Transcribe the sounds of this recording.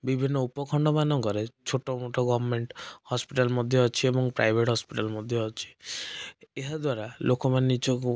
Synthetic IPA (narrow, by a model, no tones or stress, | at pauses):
bibʱinːɔupɔkʰɔɳɖɔmanɔŋkɔɾet͡ʃʰoʈɔmoʈɔɡɔbʱɔmeɳʈhɔspiʈalmɔd̪ʱjɔːt͡ʃʰiebɔŋpɾa̰jbʱeʈɦɔspiʈalmɔd̪ʱjɔːt͡ʃʰi̥ | eɦad̪waɾalʔokɔmanenit͡ʃɔk